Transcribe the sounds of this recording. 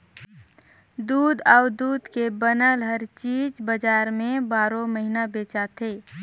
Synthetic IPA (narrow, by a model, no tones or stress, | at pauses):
d̪uːd̪aʊd̪uːd̪kebənəlɦəɾt͡ʃiːd͡ʒbəd͡ʒaːɾmẽbaːɾõməɦinabeːt͡ʃat̪ʰeː